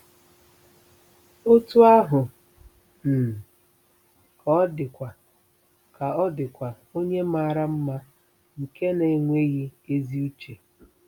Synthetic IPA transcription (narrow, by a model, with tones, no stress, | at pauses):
o˦tu˦a˦ɦʊ˨ | n̩˨ | kɔ˦dɪ˨kʷa˨ | ka˨ɔ˦dɪ˨kʷa˨ | o˦ɲe˦ma˦˨ɾa˦m̩˦ma˦ | ŋ̩˨ke˦ne˨ŋʷe˦ɣi˦e˦zi˦u˦t͡ʃe˨